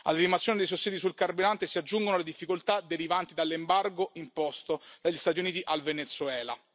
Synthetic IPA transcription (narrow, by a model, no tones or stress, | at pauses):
a̰lːinimat̪sːjoned̪ejsosːiːd̪isulkarbiɾant̪esiad͡ʒːuŋɡonoled̪ifːikolt̪ad̪eɾivant̪id̪alːembarɡoʔimpɔst̪od̪̥aʎːist̪aːt̪ijuniːt̪iʔalvenet̪sːuɛːla̰